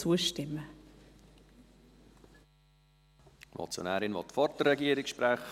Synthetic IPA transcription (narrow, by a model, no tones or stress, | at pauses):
uːəʃtɪmːə | mɔ̰t͡sjo̰næːɾɪnvɔ̰t̪fɔrtərːɛɡiːəɾɪkʃpɾæχ